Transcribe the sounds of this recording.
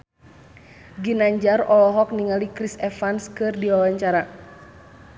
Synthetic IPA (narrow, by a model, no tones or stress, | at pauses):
ɡinaɲd͡ʒarɔlɔɦɔk̚niŋalikɾisɛfanskɨrdiwawaɲt͡ʃaɾa